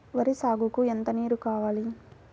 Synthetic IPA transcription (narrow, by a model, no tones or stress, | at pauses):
ʋɐɾisaːɡukuent̪ɐniːɾukaːʋaːli